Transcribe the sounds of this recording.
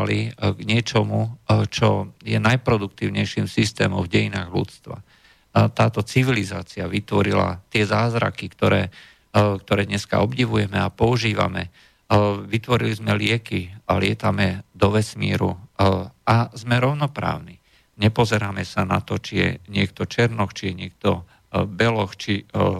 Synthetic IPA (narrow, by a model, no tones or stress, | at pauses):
liɡɲɪɛt͡ʃɔmut͡ʃɔjɛnajpɾɔd̪uk̚t̪iːʊɲɛjʃimsist̪ɛ̰ːmɔ̰vɟɛjinaːɣlṵt͡st̪ʋa̰ | t̪aːt̪ɔt͡siʋilizaːt͡siaʋit̪ʋɔɾila̰t̪ɪɛzaːzɾa̰kikt̪ɔɾɛː | kt̪ɔɾɛːd̪ɲɛska̰ɔbɟiʋujɛmɛapɔuʒiːʋa̰mɛ | ʋit̪ʋɔɾilizmɛlɪɛkialɪɛt̪amɛd̪ɔʋɛsmiːɾṵ | azmɛɾɔʊnɔpɾa̰ːʊni | ɲɛpɔzɛɾaːmɛsanat̪ɔt͡ʃijɛ̰ɲɪɛk̚t̪ɔt͡ʃɛɾnɔxt͡ʃijɛɲɪɛk̚t̪ɔ | bɛlɔxt͡ʃi